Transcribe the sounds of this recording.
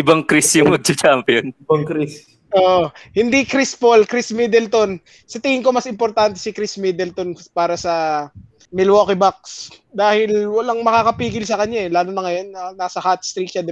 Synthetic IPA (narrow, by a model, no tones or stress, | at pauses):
ʔɪbɐŋkɾisjʊŋmɐɡ̚t͡ʃɐt͡ʃampɪjonbɐŋkɾis | ʔoːʔohɪnd̪ikɾispolkɾismid̪ɛlt̪o̞n | sɐt̪ɪŋɪŋko̞mɐsɪmpoɾt̪ant̪ɛ̥sɪkɾismid̪ɛlt̪onpaːɾɐsɐ | mɪlwoːkɪbak̚sd̪aːhɪlwɐlaŋmɐkaːkɐpiːɡɪlsɐkɐɲːaɛlaːnonɐŋɐjo̞nɐːaːsɐhat̪̚st̪ɾikt͡ʃɐd̪